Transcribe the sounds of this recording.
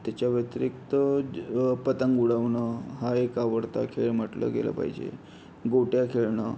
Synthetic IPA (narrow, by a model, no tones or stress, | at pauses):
t̪jat͡ɕaʋət̪ɾik̚t̪ə | pət̪əŋɡuɽəʋnəɦaekaʋəɽt̪akʰeɭməʈlə̰ɡḛlə̰pa̰ɦid͡ʑḛ | ɡoʈjakʰeɭɳə